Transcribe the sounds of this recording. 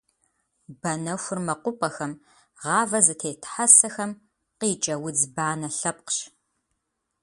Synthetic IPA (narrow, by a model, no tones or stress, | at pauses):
bɐnɐxʷʊrmɐqʷʊpʼɐxɐm | ʁɑːvɐzɨtʰeːjtʰħasɐxɐm | qiːt͡ʃʼɐwʊd͡zbaːnɐɬɐp̚qɕ